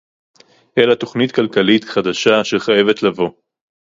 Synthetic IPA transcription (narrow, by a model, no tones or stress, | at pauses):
ʔelat̪o̞χnit̪kalkalit̪χad̪aʃaʃe̞χaje̞ve̞t̪lavo̞